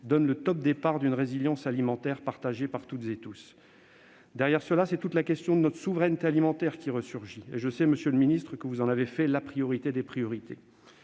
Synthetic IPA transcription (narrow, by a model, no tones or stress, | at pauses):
d̪ɔnlət̪ɔp̚d̪epaʁd̪ynʁeziljɑ̃salimɑ̃t̪ɛʁpaʁt̪aʒepaʁt̪ut̪zet̪us | d̪ɛʁjɛʁsəlasɛt̪ut̪lakʲɛst̪jɔ̃d̪ənɔt̪χə̥suvʁɛnt̪ealimɑ̃t̪ɛʁkʲiʁəsyʁʒieʒəsɛməsjøləminist̪χəkəvuzɑ̃navefɛlapχijɔʁit̪ed̪epχijɔʁit̪ḛ